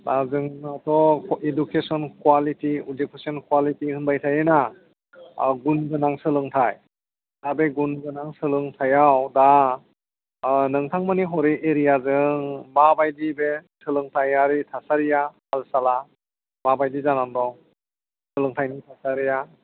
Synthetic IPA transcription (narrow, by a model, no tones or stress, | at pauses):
lazɯŋatʰɔedukʰesɔnkwalitiudekesɔnkwalitihɯnbajtʰajɯna | ɡunɡɯnaŋsɯlɯŋtʰaj | dabeɡunɡɯnaŋsɯlɯŋtʰajawda | nɯŋtʰaŋmaniɦɔɾeʔeɾijazɯŋmabajdibesɯlɯŋtʰajaɾitʰasaɾijahalsala | mabajdizanandɔŋ | sɯlɯŋtʰajnitʰasaɾija